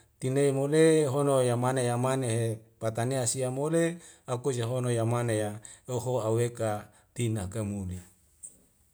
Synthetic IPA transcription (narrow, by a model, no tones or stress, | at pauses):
t̪ineimoleɦonojamanejamaneɦepat̪aneasiamole | akud͡ʒeɦonojamanejaoɦoaweka | t̪inakemuli